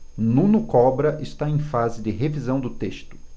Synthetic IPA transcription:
nũnʊkɔbɾɐʔɪst̪aẽj̃fazɪd͡ʒɪɦevizɐ̃w̃d̪ʊt̪eʃt̪ʊ̥

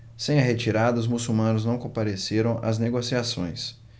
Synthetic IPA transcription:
sẽj̃ɐɦet͡ʃiɾad̪ɐʊzmusumɐ̃nʊznɐ̃w̃kõpaɾeseɾɐ̃w̃ʔɐ̰zneɡosiasõ̰j̃s

